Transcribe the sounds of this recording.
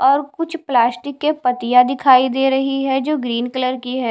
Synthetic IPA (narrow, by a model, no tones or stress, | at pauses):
ɔːɾkʊt͡ʃʰplaːsʈɪkːepɐt̪ijad̪ɪkʰaːid̪eːɾɐɦiɦɛd͡ʒoːɡɾiːnkələɾkiɦɛː